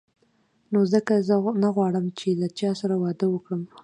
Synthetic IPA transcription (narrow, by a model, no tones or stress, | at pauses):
nozəkazənaɣwɑɽəmt͡ʃelat͡ʃɑsaɾawɑd̪əwəkɽəm